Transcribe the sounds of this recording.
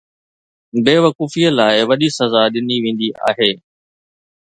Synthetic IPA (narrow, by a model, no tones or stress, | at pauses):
beːʋɐkuːfijəlaːɪʋɐɗisɐzaɗɪniʋẽːn̆d̪ia̰ːɦeː